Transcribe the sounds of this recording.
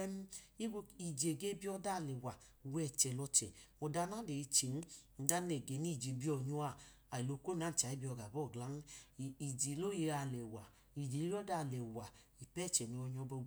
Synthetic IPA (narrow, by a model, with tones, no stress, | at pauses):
ɛ˧m˦i˦ɡo˧i˨d͡ʒe˨ɡe˦bi˦ɔ˧da˦˨lɛ˨wa˨˧ | wɛ˦˨t͡ʃɛ˨lɔ˧t͡ʃɛ̰˨mɔ˧da˧na˦le˨i˧t͡ʃe˨n̩˦˧˦da˦nɛ˨ɡe˨˦ni˦˨d͡ʒe˨˦bi˦ɔ˧ɲu˦a˧˨ | a˨i˨lo˨˧ko˦n˦a˨˦n̩˨t͡ʃa˨˦i˦bi˧˦ɔ˧ɡa˨bɔ˦˨ɡla˨˦n˦˨i˨d͡ʒe˨lo˦je˧ɾa˧˨lɛ˨wa˨ | i˨d͡ʒe˨li˦ɔ˦da˧˨lɛ˨wa˨ | i˨pɛ˦˨t͡ʃɛ˨ni˨˧ɔ˧ɲɔ˧bɔ˧˦